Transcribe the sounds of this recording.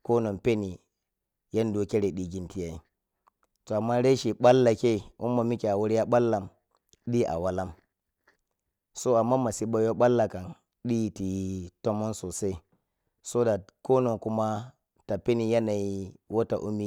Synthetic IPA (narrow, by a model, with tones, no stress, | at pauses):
ko˦no˨pe˦ni˨ | ja˦ndo˦kʲe˦ɾe˨ɗi˨ɡʲi˦nti˦ja˦i˨ | to˨a˨mːa˦ɾe˦ʃi˨ɓa˦lːa˨ke˦˨ʔṵ˦mːa˨mi˦kʲi˨a˨wu˦ɾja˦ɓa˦lːa˨m | ɗi˦ʔa̰˨wa˦la˦m | so˦a˨mːa˦ma˨si˦ɓa˦jo˦ɓa˦lːa˨ka˨n | ɗi˦˨ti˨˦to˦mo˦nso˨se˦i˦ | so˦da˨ko˦no˨ŋku˦ma˦ | ta˨pe˦ni˨ja˦na˨ji˦wo˦ta̰˨ʔu˦mi˦